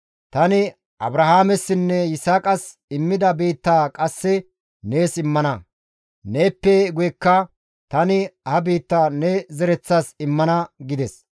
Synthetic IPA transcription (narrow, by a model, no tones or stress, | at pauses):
t̪ɐnɪ | ʔɐbɾɐhaːmɛsːɪnːɛjɪsaːkʼɐs | ɪmːɪd̪ɐbiːt̪ːaːkʼɐsːɛ | ne̞ːsɪmːɐnɐ | ne̞ːpːɛɡʊjɛkːɐ | t̪ɐnɪhɐbiːt̪ːaːnɛzɛɾɛt͡sːasɪmːɐnɐɡɪd̪ɛs